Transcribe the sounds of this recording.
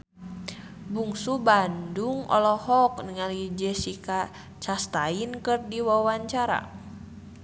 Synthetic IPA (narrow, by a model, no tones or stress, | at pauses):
buŋsubanduŋɔ̰lɔhɔk̚nəŋalid͡ʒɛsika | t͡ʃast̪ainkɨrdiwawaɲt͡ʃaɾa̰